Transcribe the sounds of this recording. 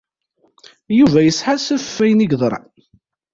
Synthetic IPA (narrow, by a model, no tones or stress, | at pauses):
juvæjəsħasæffːæjniɡðˤɾˤɑ̰